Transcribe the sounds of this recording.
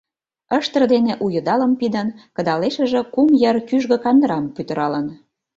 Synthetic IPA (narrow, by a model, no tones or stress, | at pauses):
əʃt̪ə̆rd̪eneʔujə̆d̪ɑlə̆mpid̪ə̆nkɤ̆d̪ɑleʃə̆ʒĕkumjərkyʒɣə̆kɑnd̪ɾɑmpyt̪ə̆ɾɑlən